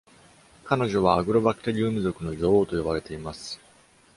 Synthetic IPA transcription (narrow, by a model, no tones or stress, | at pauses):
kano̞ʑo̞β̞aːɡɯ̟ɾo̞bakɯ̥t̪eɾʲiɯːmɯ̟zo̞kɯ̟no̞ɾʲo̞ːoːt̪o̞jo̞baɾe̞t̪e̞imasɨ̥